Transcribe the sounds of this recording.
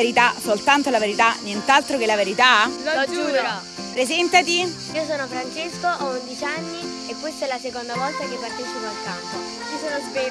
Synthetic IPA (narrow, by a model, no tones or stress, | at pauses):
eɾit̪asolt̪ant̪olaveɾit̪anːjent̪alt̪ɾokelaveɾit̪ad͡ʒu | pɾezɛnt̪at̪i | iːosoːnofɾant͡ʃeskoʔɔund̪it͡ʃanːi | ekːwest̪oɛlasekond̪avɔlt̪akepːart̪et͡ʃipoalk̪ampo | t͡ʃisoːnozve